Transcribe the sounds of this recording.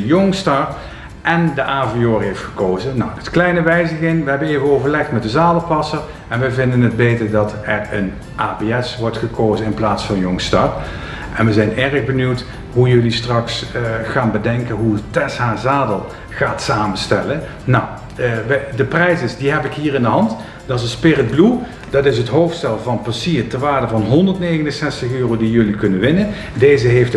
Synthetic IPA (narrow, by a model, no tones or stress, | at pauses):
jɔŋstɑr | ʔɛndəʔaːvioːɹɦejftxə̥koːwzəna̰wətklɛjnəʋɛjzəɣɪŋʋəɦɛbəneːvəowvəɹlɛxtmɛt̚dəzaːdəlˠpɑsəɹ | ɛnʋəvɪndənəd̚bejtəɹdɑtɛɹən | ʔaːbeɛsʋɔɹtχəkowzənɪnplaːtsfɑnjɔŋstɑr | ʔɛnʋəzɛjnɛrəɣbənywt | ɦujɵlistrɑksχaːnbədɛŋkəɦutɛsɦaːzaːdəlˠ | χaːtsaːmənstɛlə | naw | ʋdəprɛjsɪsdiɦɛpɪkɦiːɹɪndəɦɑnt | dɑzənspɪrəd̚blu | dɑtɪsətɦowftstɛlˠvɑnpɑsiːrtəʋaːɹdəvɑnɦɔndəɹtnejɣənənsɛstəxøːrowdijɵlikɵnənʋɪnən | dejzəɦejft